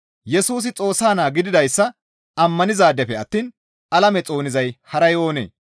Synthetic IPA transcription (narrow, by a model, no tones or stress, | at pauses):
jɛsuːs̬ɪt͡sʼo̞ːsːaːnaːɡɪd̪ɪd̪ɐjsːɐ | ɐmːɐnɪzaːd̪ɛfɛɐt̪ːiːn | ɐlɐmɛt͡sʼo̞ːnɪzɐjhɐɾɐjo̞ːnḛː